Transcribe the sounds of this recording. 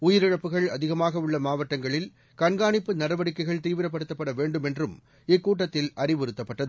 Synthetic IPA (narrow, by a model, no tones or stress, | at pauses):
ʊjɪɾɪɻɐpːɯɣɐɭɐðɪɣɐmaːɣɐɯɭːɐmaːʋɐʈːɐŋɡɐɭɪl | kɐnɡaːɳɪpːɯnɐɽɐʋɐɽɪkːɐɪɣɐɭt̪iːʋɪɾɐp̬ːɐɽɯt̪ːɐpːɐɽɐʋeːɳɖɯmɛndrɯm | ɪkːuːʈ̬ːɐt̪ːɪlɐrɪʋɔɾɯt̪ːɐpːɐʈːɐð